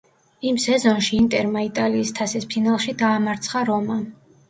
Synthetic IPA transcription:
imsɛzɔnʃiːnt̪ʼɛɾmait̪ʼaliːst̪ʰasispʰinalˠʃid̪aːmaɾt̪sʰχaɾɔma

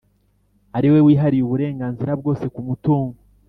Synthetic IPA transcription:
aɾiwe̞wiːɦaɾijuβuɾe̞ːŋɡaːnziɾabɡo̞ːse̞kumutuːŋɡo

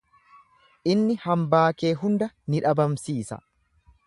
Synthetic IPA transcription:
ʔɪnːɪhɐmbaːke̞ːɦʊnd̪ɐ | nɪᶑɐbɐmsiːsɐ̰

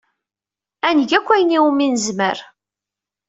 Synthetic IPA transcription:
ænəʝækʷːæjəniuminəzmə̰ɾ

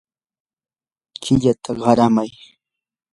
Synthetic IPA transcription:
kʰɪʎat̪ʰaɢɑɾamaj

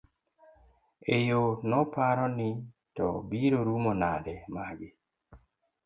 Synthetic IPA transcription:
ejonɔpaɾɔnɪ | tɔ̰biɾoɾumonadɛmaɡɪ

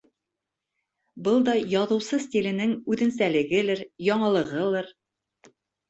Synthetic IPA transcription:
bɤlˠd̪ɒjɒðɤ̆wsɤstʲilɘ̆nɘŋʉðɘ̆nsælɘ̆ɡɘlɘɾjɒɴɤ̆lˠɤ̆ʁɤlˠɤɾ

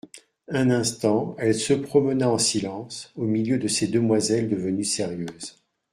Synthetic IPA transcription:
ɛ̃nɛ̃st̪ɑ̃ɛlsəpχɔmənaɑ̃silɑ̃somiljød̪əsed̪əmwazɛld̪əvənysɛʁjøːz

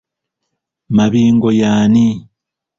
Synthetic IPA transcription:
maβiːŋɡojaːni

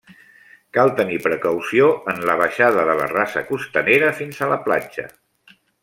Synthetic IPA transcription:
kalˠt̪ənipɾəkəwsioənləβ̞əʃaðəðələ̰rasə̰kust̪əneɾəfinzələpla̰d͡ʒə̰

